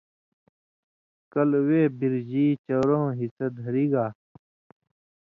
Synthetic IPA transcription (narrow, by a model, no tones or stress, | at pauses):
kɐlweːbiɾd͡ʑiːt͡ɕɐɾõːɦisɐd̪ʱɐɾiːɡaː